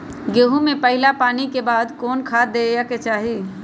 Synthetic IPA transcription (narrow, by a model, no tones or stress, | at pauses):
ɡeːɦũmẽpɐɦɪlapaːnikebaːd̪kɔːnkʰaːd̪eːjaket͡ʃaːɦi